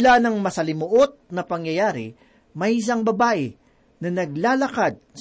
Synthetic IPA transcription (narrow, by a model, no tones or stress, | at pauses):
lanɐŋmɐsɐlɪmoʔot̪̚nɐpɐŋjɐjaːɾɪ̰ | mɐjɪs̬aŋbɐbaːʔɪ | nɐnɐɡlaːlɐkad̪̚s